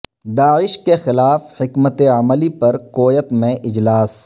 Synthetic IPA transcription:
d̪aːɪʃkexɪlaːfhɪkmət̪eɐməlipɐɾkoːjət̪mẽʔɪd͡ʒlaːs

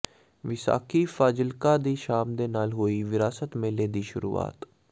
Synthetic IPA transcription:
ʋɪsa̰ːkiːfaːd͡ʒɪlkaːd̪iːʃaːmd̪eːnaːlɦoːiːʋɪɾaːsət̪mẽːleːd̪iːʃʊ̰ɾṵːa̰ːt̪

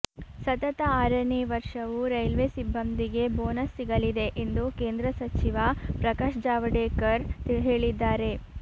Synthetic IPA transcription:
sɐt̪ɐt̪ɐaːɾɐniʋɐɾʂɐʋuɾɐjlʋeːsibʱːɐnd̪iɡe̞boːnɐsːiɡɐlid̪e̞ʔend̪ukeːnd̪ɾɐsɐt͡ʃiʋɐpɾɐkaːʂd͡ʒaːʋɐɖeːkɐɾɦe̞ːɭid̪ːaːɾe̞

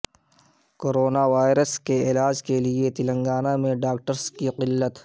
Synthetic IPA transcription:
koːɾoːnaʋaːjɪɾəskeɪːlaːd͡ʒkeliet̪ɪlə̃ŋɡaːnamẽɖaːkʈəɾskiqɪlːət̪

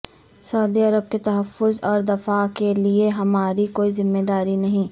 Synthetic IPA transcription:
sɐʊd̪iɐɾəb̚ket̪ɐɦəfːʊzɔːɾd̪ɐfakelieɦɐmaːɾikoːizɪmːed̪aːɾinɐɦĩː

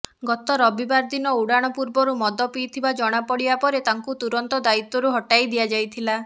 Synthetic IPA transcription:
ɡɔt̪ɔɾɔbibaɾd̪inɔuɽaɽ̃ɔpuɾbɔɾumɔd̪ɔpiːt̪ʰibad͡ʒɔɽ̃apɔɽibapɔɾet̪aŋkut̪uɾɔnt̪ɔd̪ait̪ːɔɾuɦɔʈajd̪ijad͡ʒajt̪ʰila

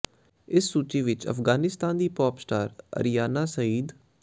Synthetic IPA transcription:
ɪsːuːt͡ʃiːʋɪt͡ʃə̰fɡaːnɪst̪aːnd̪iːpɔːpsʈaːɾə̰ɾijaːnaːsəiːd̪

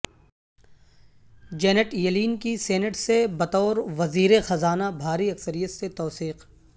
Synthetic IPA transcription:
d͡ʒɛːnəʈjɐliːnkiseːnəʈsebɐt̪ɔːɾʋɐziːɾexɐzaːnabʱaːɾiɐksəɾijət̪set̪ɔːsiːq

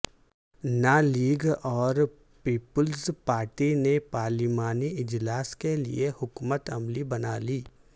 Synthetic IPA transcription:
naːliːɡɔːɾ | piːpʊlzpaːɾʈinepaːɾlimaːniɪd͡ʒlaːskelḭehʊkmət̪ɐmlibɐnaːliː

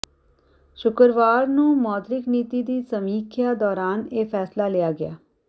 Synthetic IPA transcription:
ʃʊkəɾʋaːɾnũːmɔːt̪ɾɪkniːt̪iːd̪iːsəmiːkʰjaːd̪ɔːɾaːneːpʰɛːslaːlɪjaːɡɪja̰ː

